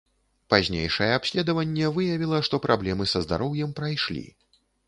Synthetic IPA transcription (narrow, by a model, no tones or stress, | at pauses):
pazʲnʲḛjʂɐjɛapsʲlʲɛd̪ɐvɐnʲːɛvɨjɐvʲilˠɐʂt̪ɔpɾʔablʲɛmɨsɐzd̪a̰ɾʔɔwjɛmpɾajʂlʲḭ